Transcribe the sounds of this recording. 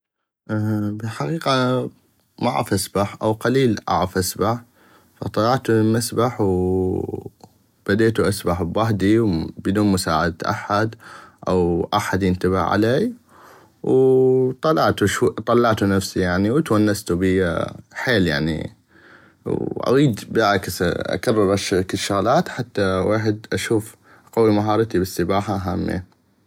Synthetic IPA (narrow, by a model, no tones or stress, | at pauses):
ʔbɪħaqiːqa | ma̰ʕɪ̰fʔasbaħʔawqaliːlʔa̰ʕɪfʔasbaħ | fa̰t̪ˤɑlɑʕt̪umasbaħw | b̥ad̪eːt̪uʔasbaħbwaɦd̪iwbɪd̪uːnmʊsa̰ːʕad̪t̪ʔa̰ħːad̪ʔawʔaħad̪jɪnt̪abɪ̰ʕʕa̰leːj | wt̪ˤɑlːɑʕt̪uʃt̪ˤɑlːɑʕt̪unafsijaʕniwɪt̪wanːast̪ubiħeːlja̰ʕnḭ | wʔa̰ɣiːd̪bʕaksʔa̰karˤːɑɾˤʔaʃkɪʃːaɣlaːt̪ħat̪ːaweːħɪd̪ʔaʃuːf | qawimaɦɑːɾˤɑt̪ibɪsːɪbaːħaʔɦaːmːḭ